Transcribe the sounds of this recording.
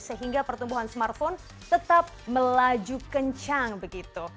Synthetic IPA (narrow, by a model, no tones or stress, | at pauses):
səɦiŋɡapərt̪umbuɦansmart̪̚fon | t̪ət̪ap̚məlad͡ʒukəɲt͡ʃaŋbəɡit̪u